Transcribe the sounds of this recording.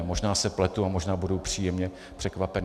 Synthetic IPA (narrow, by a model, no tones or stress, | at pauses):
mo̞ʒnaːsɛplɛt̪uamoʒnaːbudowpr̥iːjɛmɲɛ | pr̝̥ɛkvapɛn